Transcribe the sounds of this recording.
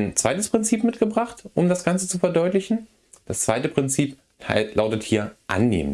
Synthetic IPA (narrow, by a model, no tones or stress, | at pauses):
nt͡sv̥aɪtəspʁ̥ɪnt͡siːpmɪtɡ̥əbʁaχtʔʊmdasɡ̥ant͡sət͡sufɛɐdɔʏtlɪçn̩ | d̥ast͡sv̥aɪtəpʁ̥ɪnt͡siːp | lʔaʊtəthiːɐʔa̰nːḛːmə